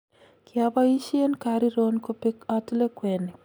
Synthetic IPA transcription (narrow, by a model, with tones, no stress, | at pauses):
kjaba˦i˦ʃe˦nkaɾi˦ɾo˦nko˦pi˦ka˦tu˦le˦kwe˨ni˨